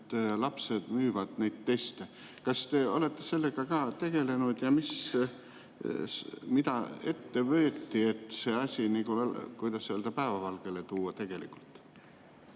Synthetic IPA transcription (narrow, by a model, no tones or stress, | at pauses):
t̪ːlɑpse̞d̪̥myːvɑd̪̥nejd̪̚t̪ːe̞st̪e | kɑst̪e̞o̞̰le̞t̪ːe̞se̞lːe̞ɡ̥ɑkɑːt̪e̞ɡ̥e̞le̞nud̪̥jɑmis | mid̪̥ɑe̞t̪ːe̞vø̞ːt̪ːie̞t̪ːˑse̞ɑsʲinikukujd̪̥ɑsseld̪ɑpæevɑvɑlɡ̥e̞let̪uːɑt̪e̞ɡ̥e̞lḭkːˑult̪ˑ